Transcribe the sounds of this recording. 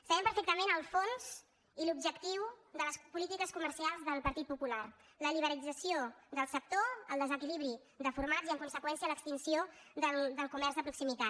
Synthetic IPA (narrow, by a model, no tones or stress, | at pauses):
səβɛmpəɾfek̚t̪əmenəlˠfonz̥ | ilub̚ʒəkt̪iwdðələspulit̪ikəskuməɾsialˠzðəlˠpəɾt̪it̪̚pupulaɾ | ləliβ̞əɾəlid͡zəsiod̪əlˠsəp̚t̪oə̰lˠd̪əzəkiliβɾi | ðəfuɾmaziəŋkunsəkwɛnsiələkst̪insioðəld̪əlˠkumɛɾzðəpɾuksimit̪at̪